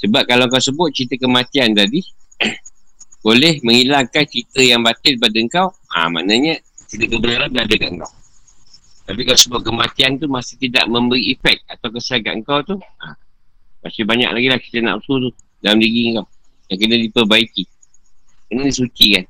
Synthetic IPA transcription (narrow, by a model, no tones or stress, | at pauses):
səbap̚kalawŋkawsəbʊt̪̚t͡ʃit̪əkəmat̪iant̪adi | bolɛhməŋilaŋkant͡ʃit̪əjaŋbat̪ɪlp̬adaəŋkaw | a̰ma̰naɲə | t͡ʃit̪əkəbənarladadəkaʔəŋkaw | t̪apikalasəbʊt̪̚kəmat̪iant̪umasɪht̪ida̰ʔmə̃mbəɾiːfɛk̚t̪̚at̪awkəsalka̰ʔəŋkawt̪uʔa̰ | masɪbaɲa̰kʔlaɡilaht͡ʃi̥t̪əna̰ʔusut̪̬u | dalamdiɣiəŋkaw | daŋkənadipərbaiki | kənadisut͡ʃikan